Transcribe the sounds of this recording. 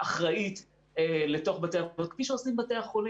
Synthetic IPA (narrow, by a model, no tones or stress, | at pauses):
ʔaχʁait̪ | ele̞to̞χbateaot̪̚kfiʃeosimbateaχoli